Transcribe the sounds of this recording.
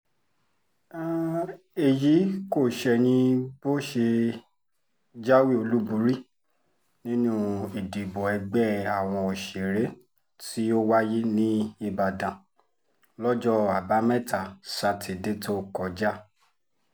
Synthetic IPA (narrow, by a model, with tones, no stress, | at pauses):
e˨ji˨˦ko˦˨ʃɛ˧˨nĩ˧bo˦ʃe˧ | d͡ʒa˦wi˦˨o˧lu˦bũ˨˦ɾi˦ | nĩ˦nũ˦i˨di˨bɔ˨ɛ˧ɡ͡bɛ˦˨a˨w̃ɔ̃˧o˨ʃe˨ɾe˨˦ | ti˦o˦wa˦ji˦nĩ˦i˧˨ba˨dã˨ | lɔ˦d͡ʒɔ˦a˨ba˨˦mɛ̃˦˨ta˨sa˧ti˨de˦to˦kɔ˨d͡ʒa˦˨